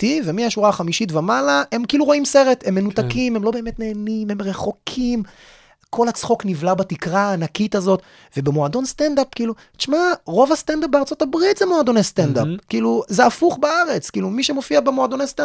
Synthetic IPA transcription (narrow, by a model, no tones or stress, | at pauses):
t̪ivemiaʃuʁaχamiʃitvemalae̞mkiiluʁo̞imse̞ʁe̞te̞mːe̞nutakime̞mlo̞be̞ːmet̪ne̞ːnime̞mʁe̞χo̞kʰim | kʰo̞lhat͡sχo̞knivlabatikʁaːnakitazo̞t | ve̞bemoado̞nst̪end̪apkiːlu | tt͡ʃmaʁo̞vast̪andap̚beaʁt͡so̞tabʁitzemoad̪o̞nest̪end̪apkiːluzeafuχbaaʁe̞t͡skiːlumiʃemo̞fiabemoad̪onesta